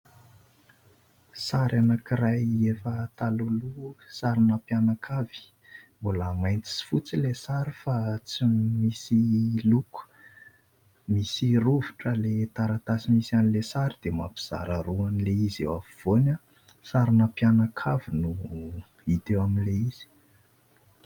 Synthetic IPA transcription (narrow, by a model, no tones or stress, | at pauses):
saɾanakirajefət̪alulusaɾinapjanakʰav̥i̥ | mbulamajnt͡s̪i̥si̥fut͡silesaɾifat͡simisiluku̥ | misiruvuʈ͡ʂəlet̪aɾat̪asimisianilesaɾid̪ema̰pi̥z̥a̰ɾaɾuanileizḛwaviv̥ona | saɾinapjanakʰavinu | it̪ewaminleiz̥i̥